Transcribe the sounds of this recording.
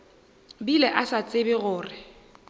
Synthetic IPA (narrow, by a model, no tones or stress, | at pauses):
bilɛʔasat͡sʼɪbɪɣʊːrɪ